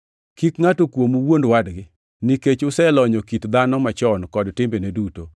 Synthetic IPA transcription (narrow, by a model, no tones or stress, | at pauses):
kikŋatokwomuwondwadɡɪ | niket͡ʃʊsɛlɔɲɔkitd̪anɔmat͡ʃɔnkɔdtɪmbeneduto